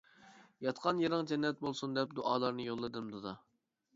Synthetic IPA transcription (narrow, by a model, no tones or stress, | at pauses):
jɑt̪qʰɑnjeɾɨŋd͡ʒɛnːɛt̪̚bolˠsund̪ɛp̚d̪oʔɑːlˠɑɾnɨjolˠːɨd̪ɨmd̪od̪ɑ